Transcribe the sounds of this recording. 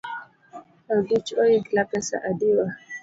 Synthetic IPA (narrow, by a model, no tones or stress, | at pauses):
aɡit͡ʃɔjiɡlapɛsa̰ʔadiwa